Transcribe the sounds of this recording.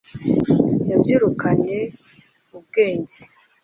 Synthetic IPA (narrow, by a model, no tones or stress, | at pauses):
jabjiːɾukʰaɲe̞ | ub̚ɡe̞ːɲɟe